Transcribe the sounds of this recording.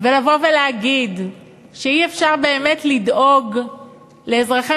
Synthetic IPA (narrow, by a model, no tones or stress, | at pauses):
velavo̞veleaɡid̪ | ʃeiefʃaʁbe̞ːme̞tlid̪o̞ɡ | le̞ːzʁaχe